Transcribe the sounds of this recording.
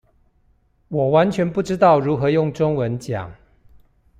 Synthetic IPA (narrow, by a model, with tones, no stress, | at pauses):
wɔ˨˩wa˧˦nt͡ɕʰɥɛ˧˥npu˥˩ʈ͡ʂɻ̩˥t̪ɑ˥˩ʊɻu˨˦˥xɤ˧˦jʊ˥˨ŋʈ͡ʂʊ˥ŋwə˧˦nt͡ɕja̰˨˩˦ŋ